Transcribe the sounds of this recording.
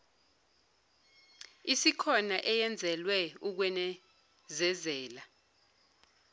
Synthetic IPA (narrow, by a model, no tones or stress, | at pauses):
isikʰɔnaʔɛjɛnd͡zʱɛlwɛuk̬wɛnɛ | zɛzɛːla